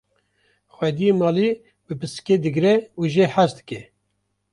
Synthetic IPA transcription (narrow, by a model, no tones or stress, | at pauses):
xwɛd̪ijemɑːli | bɨpʰɨsked̪ɨɡɾɛuʒeħazd̪ɨ̥kɛ